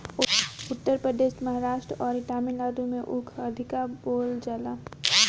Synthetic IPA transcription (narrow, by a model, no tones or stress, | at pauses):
ʊt̪ːəɾpɾəd̪eːʃʈməɦaɾaːʃʈɾɔːɾɪʈaːmilaːd̪umẽʔʊkʰɐd̪ʱɪkaboːld͡ʒaːlaː